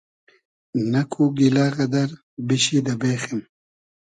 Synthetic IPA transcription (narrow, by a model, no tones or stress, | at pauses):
nakʰuɡilaːɣɐd̪aɾ | biɕid̪abeːxim